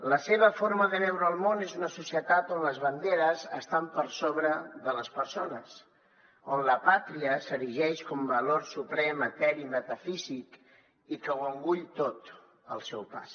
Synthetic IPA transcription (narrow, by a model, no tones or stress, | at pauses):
ləseβ̞əfoɾməðənɛwɾəːlˠmonezunəsusiət̪at̪onləzβənd̪eɾəzəst̪ampəɾsoβ̞ɾəðələspəɾsonəs | onləpat̪ɾiəsəɾiʒɛʃkɔmbəloɾsupɾɛmət̪ɛɾimət̪əfizik | ikəwəŋɡuʎt̪ot̪ | əlˠsɛwpa̰s